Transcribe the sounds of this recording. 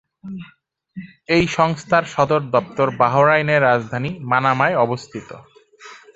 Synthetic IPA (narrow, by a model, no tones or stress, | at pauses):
ejʃɔŋst̪ʰaɾʃɔd̪oɾd̪ɔp̚t̪oɾbaɦoɾajneɾːad͡ʑd̪ʱanimanamaeɔbost̪ʰit̪o̰